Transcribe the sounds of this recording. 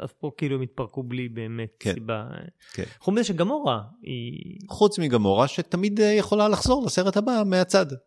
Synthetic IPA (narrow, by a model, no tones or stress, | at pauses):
ʔa̰fpokiluemit̪̚pɐʁkublibeːmet̪̚keiba̰ | kʰḛnnχumizeʃeɡamo̞ʁaḭχut͡smiɡamo̞ʁaʃet̪amid̪jeχo̞lalaχz̥o̞ʁlase̞ʁet̪abameat͡sad